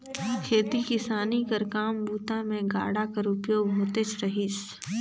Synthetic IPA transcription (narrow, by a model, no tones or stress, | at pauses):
kʰeːt̪ikɪsaːnikəɾkaːmbuːt̪amẽɡa̰ːɽakəɾʊpjoːɡɦoːt̪et͡ʃʰɾɐɦis